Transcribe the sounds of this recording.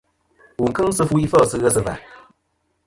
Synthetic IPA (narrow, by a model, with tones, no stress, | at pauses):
u˨kɨ˦ŋsɨ˧fu˦i˦fɔ˦˨sɨ˧ɣə˦sɨ˧va̰˨